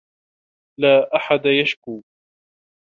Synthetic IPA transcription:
laːʔaħad̪ajaʃkuː

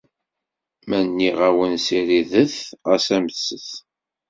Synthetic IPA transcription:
mænːiʁæwənsiɾiðəθʁæsæməsːəθ

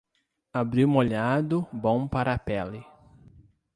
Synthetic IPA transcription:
abɾĩmoʎad̪ʊbõw̃paɾapɛlɪ

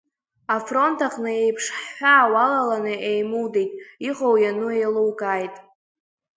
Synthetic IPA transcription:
afro̞ntʰaχnɨejpʰʂħːʷaːwalalanɨʔejmuwdejtʼiqʼowjanuejlowkʼaːjtʼ

